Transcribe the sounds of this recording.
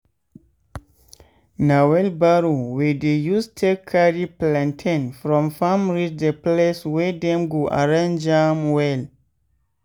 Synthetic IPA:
nawɛlbaɾowɛdejustʰekʰːaɹiplãntʰɛ̃nfɹɔ̃mfãmɹid͡ʒdəpleswɛdɛ̃mɡoʔa̰ɹãnd͡ʒãmwɛl

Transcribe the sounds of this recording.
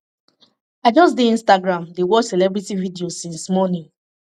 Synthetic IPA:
aɪd͡ʒɔsdeĩnstaɡɹãmdewɔsɛlɛbɹitividiosĩnsmɔnĩn

